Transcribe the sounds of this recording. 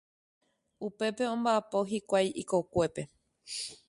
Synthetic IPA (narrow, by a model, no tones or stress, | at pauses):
upe̞pe̞õmbaːpo̞ɦikʷajʔiko̞kʷe̞pe̞